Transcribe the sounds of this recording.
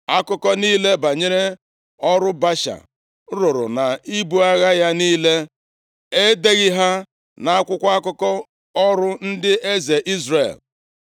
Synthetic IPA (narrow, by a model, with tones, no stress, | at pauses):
a˦kʊ˦kɔ˦niː˦le˦ba˨ɲe˦ɾe˦ | ɔ˦ɾʊ˦ba˦ʃa̰˨˦ | ɾʊ˨ɾʊ̰˨na˨i˦bu˦a˦ɣa˦ja˦niː˦le˦ | e˦de˦ɣɪ˦ɦa˦ | na˨a˦kʷʊ˦kʷa˦a˦kʊ˦kɔ˦ | ɔ˦ɾʊ˦n̩˦dɪ˦ʔe˦ze˨ʔi˦zrḛ˨l